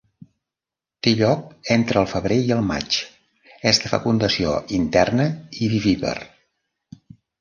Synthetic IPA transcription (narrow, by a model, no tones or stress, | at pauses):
t̪eʎɔk̚ent̪ɾəːlˠfəβ̞ɾeiəlˠma̰t͡ʃ | ɛzðəfə̰kund̪əsio̰ʔint̪ɛrnəiβiβiβə̰r